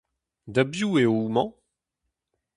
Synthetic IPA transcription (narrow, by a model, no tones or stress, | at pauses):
dabjueumɑ̃